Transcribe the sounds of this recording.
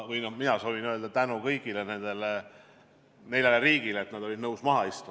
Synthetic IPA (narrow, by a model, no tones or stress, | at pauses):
vɯjnɑminɑso̞ːvinøeld̪ɑt̪ænukɤjɡ̥ile̞ne̞nd̪̥e̞le | ne̞jleleriːɡ̥ilet̪nɑd̪o̞lid̪nɤwsmɑɦɑist̪u